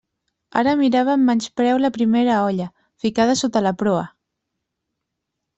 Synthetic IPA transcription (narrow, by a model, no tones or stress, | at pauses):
a̰ɾəmiɾaβ̞əmːanspɾɛwləpɾimeɾəɔʎə | fikað̞əsot̪ələpɾoə̰